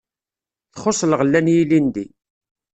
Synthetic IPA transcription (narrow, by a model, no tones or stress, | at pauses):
θχosˤlʁəlːænjilind̪i